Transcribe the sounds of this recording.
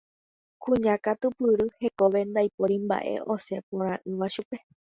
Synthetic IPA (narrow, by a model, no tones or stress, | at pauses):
kũɲãkat̪upɨɾɨhe̞koʋe̞nd̪ajpoɾimba̰ʔe̞̰ʔo̞se̞põɾ̃ãʔɨ̃ʋaʃupe̞